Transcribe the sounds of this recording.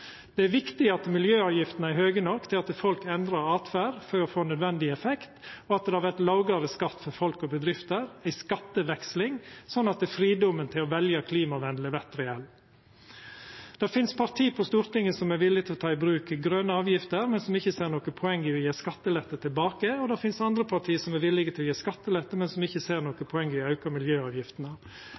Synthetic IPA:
d̪̥ɛæɾʋɪkt̪ɪɑt̪mɪljøːɑːʋjɪft̪nəæɾɦøːɡənɔkːt̪ʰɪlɑt̪fɔlkɛnd̪ɾɑɾɑːt̪fæɾfɔɾɔfoːnœd̪ʋɛnd̪ɪɛfɛkt̪ɔɑt̪̚d̪ɛhɑɾʋæɾt̪lɑʊɡɑɾəskɑt̪ːfɔɾfɔlkɔbəd̪ɾɪft̪əɾæɪskɑt̪ːəʋɛkslɪŋsɔnːɑt̪̚d̪ɛːfɾiːd̪ɔmənt̪ʰɪlɔʋɛljəkʰliːmɑʋɛnd̪ləʋɛt̪ɾɛɛl | d̪̥ɛɾfɪnspʰɑɾt̪ʰiːpʰɔst̪uːɾt̪ɪŋːəsɔmæɾʋɪlːɪɡt̪ʰɪlɔt̪ʰɑːɪbɾʉːkɡɾœnəɑːʋjɪft̪əɾmɛnsɔmɪçːəseːɾnoːkəpʰɔɛŋːɪʋɪjeːskɑt̪ːəlɛt̪ːət̪ʰɪlbɑːkəɔd̪ɛɾfɪnsɑnd̪ɾəpʰɑʈ̪ʰiːəsɔmæɾʋɪlɪɡət̪ɪlɔjeːskɑt̪ːəlɛt̪ːəmɛnsɔmɪçːəseːɾnoːkəpʰɔɛŋːəʋɪɑʉkɑmɪljøːɑːʋjɪft̪ənə

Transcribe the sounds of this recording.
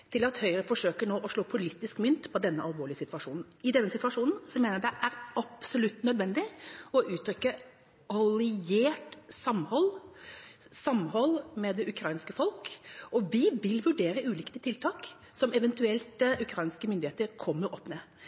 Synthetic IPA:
t̪ʰɪlɑt̪hœʏɾəfɔʂøːkəɳoːʔɔʂɭoːpʰʊlit̪ːɪskmʏnt̪pʰɔd̪ɛnːəʔɑlʋoːɭɪəsɪt̪ʋɑʂuːnn̩ɪd̪ɛnːəsɪt̪ʋɑʂuːnn̩sɔmeːnəɖɛʔæɾɑpsɔlʉt̪ːnœd̪ʋɛnd̪ɪɔʔʉːt̪ʰɾʏkːə | ɑlɪeːʈsɑmhɔlː | sɑmːhɔlːmɛd̪ɛʔʉkʰɾɑɪnskəfɔlkɔʋɪʋɪlʋʉɖeːɾəʉːlɪkt̪ət̪ʰɪlt̪ʰɑːk | sɔmɛʋɛnt̪ʉɛlt̪əʉkʰɾɑɪnskəmʏnd̪ɪheːt̪əɾkʰɔmːəɾɔpːneː

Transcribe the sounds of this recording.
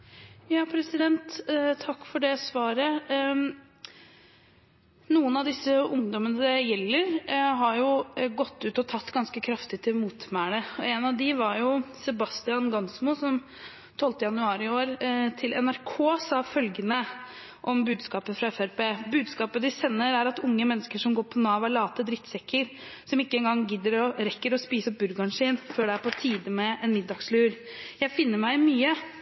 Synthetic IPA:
jɑːpʰɾɛsɪd̪ɛnt̪t̪ʰːɑkːfɔɖɛsʋɑːɾə | nuːənɑd̪ɪsːəʊŋd̪ɔmənəd̪ɛjɛlːəɾɦɑɾjʊɡɔt̪ːʉːt̪ɔt̪ʰɑt̪ːɡɑnskəkʰɾɑft̪ɪt̪ʰɪlmuːt̪mæːɽəɔɛnɑʋd̪ɪʋɑɾjʊsɛbɑst̪ɪɑnɡɑnsmʊsɔm | t̪ʰɔlt̪əjɑnʉɑːɾɪoːɾt̪ʰɪlʔɛnæɾkʰoːsɑfœlɡənə | ʔɔmbʉːd̪skɑːpəfɾɑɛfæɾpeːbʉːd̪skɑːpəd̪ɪsɛnːəɾæɾɑt̪ʊŋːəmɛnːəskəʂɔmɡoːɾpʰɔnɑːʋælɑːt̪əd̪ɾɪt̪sɛkːəɾ | sɔmɪkːəɛnɡɑŋːɡɪd̪əɾɔɾɛkːəɾɔspiːsəɔp̚bʉɾɡɑnʂiːnføːɖɛæɾpɔt̪ʰiːd̪əmɛʔɛnmɪd̪ːɑɡslʉːɾ | jæɪfɪnːəɾmæɪmyːə

